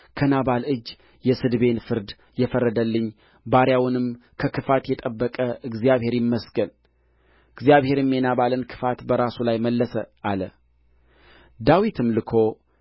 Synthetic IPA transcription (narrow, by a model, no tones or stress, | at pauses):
kʰənaβalɨd͡ʒ | jɛsɨd̪be̞nfɨɾd̪ | jɛfərːəd̪əlːɨɲː | baɾjawnɨmkʰəkʰɨfat̪jɛt̪ʼəbːəkʼəʔɨɡzijaβhe̞ɾjɪmːəsɡən | ɨɡzijaβhe̞ɾmːjenaβalɨnkʰɨ̥fat̪bəɾasulajməlːəsəʔalə | d̪awit̪ʰɨmlɨkʰo̞